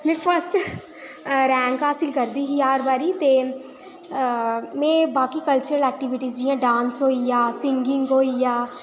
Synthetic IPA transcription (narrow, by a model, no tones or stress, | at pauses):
mɛ̃ːfʰəɾsʈ | ɾɛ̃ːŋkɦaːsɪlkɐɾd̪iɦiaːɾbaːɾit̪eː | mɛ̃ːbaːkikɐlt͡ʃəɾəlɛːk̚ʈɪʋɪʈizd͡ʒiɛ̃ɖãːnsɦoːijaːsɪ̃ŋɡɪ̃ŋɡɦoːijaː